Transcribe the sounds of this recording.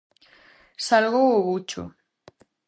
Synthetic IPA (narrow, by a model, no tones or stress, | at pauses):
salɣowʊβut͡ʃʊ̰